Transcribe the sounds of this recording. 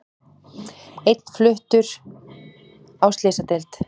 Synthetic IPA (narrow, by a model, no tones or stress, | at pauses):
ejt̪n̥flʏht̪ʏɾ̥ | awst̪lɪːsat̪elt̪